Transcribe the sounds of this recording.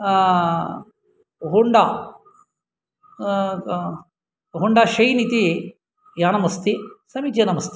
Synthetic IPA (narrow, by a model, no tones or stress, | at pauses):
ɦuɳɖa | ɦuɳɖaʃɐjnit̪i | jaːnɐmɐst̪isɐmit͡ʃ̪jɐnɐmɐst̪i̥